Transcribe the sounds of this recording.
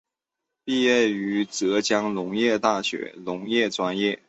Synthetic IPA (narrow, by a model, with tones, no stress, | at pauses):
pi˥˧ɥɛ˥˩y˧˥t͡sɤ˧˥t͡ɕjɑ˥ŋlʊ˧˥ŋjɛ˥˧t̪a˥˩ɕɥɛ̰˧˥lʊ˧˥ŋjɛ˥˩ʈ͡ʂwa˥njɛ˥˩